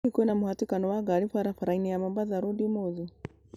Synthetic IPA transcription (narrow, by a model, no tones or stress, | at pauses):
ikuɛnamuhatikanɔwaɡalifwaɾafaɾainijamɔmbaðaɾudimɔzi